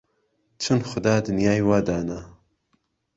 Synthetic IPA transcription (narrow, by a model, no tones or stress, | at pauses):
t͡ʃʰɨnxʊd̪aːd̪ɨnjaːjwaːd̪aːna